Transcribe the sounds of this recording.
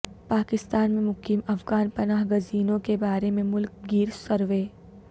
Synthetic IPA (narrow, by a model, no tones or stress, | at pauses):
paːkɪst̪aːnmẽmʊqiːmɐfɡaːnpɐnaːɦɡʊziːnõkebaːɾemẽmʊlk̚ɡiːɾsɐɾʋeː